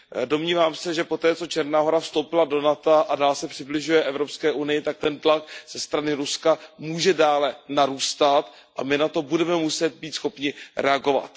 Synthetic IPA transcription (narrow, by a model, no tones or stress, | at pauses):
do̞mɲiːvaːmsɛʒɛpo̞t̪ɛːt͡so̞t͡ʃɛɾnaːɦo̞ɾafst̪o̞wpɪlado̞nat̪aʔadaːlsɛpr̝̥ɪblɪʒujɛʔɛvɾo̞pskɛːʔunɪjɪt̪ak̚t̪ɛnt̪lak̚z̥ɛst̪ɾanɪɾuskamuːʒɛdaːlɛnaɾuːst̪at̪ | ʔamɪnat̪o̞budɛmɛmusɛt̪̚biːt̪sxo̞pɲɪɾɛaɡo̞va̰t̪